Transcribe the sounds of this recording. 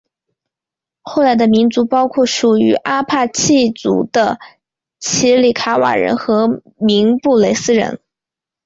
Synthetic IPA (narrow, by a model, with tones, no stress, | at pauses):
xo˥˩la˧˥ɪd̪ə˧mi˧˥nt͡su˧˥pɑ˥ʊkʰwɔ˥˩ʂu˨˩y˧˥ʔa˥pʰa˥˧t͡ɕʰi˥˩t͡sṵ˧˥d̪ə̰˧ | t͡ɕʰi˧˥li˨˩kʰa˧˥wa̰˨˩ɻə̰˧˥nxɤ˧˥ | mi˧˥ŋpu˥˩le˨˩ɪsɹ̩˥ɻə̰˧˥n